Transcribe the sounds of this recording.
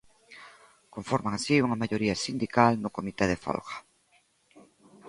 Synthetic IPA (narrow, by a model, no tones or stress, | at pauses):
koɱfoɾmaŋasiuŋɐmaʎoɾiasind̪ikalnʊkomit̪eðefo̰lɣḁ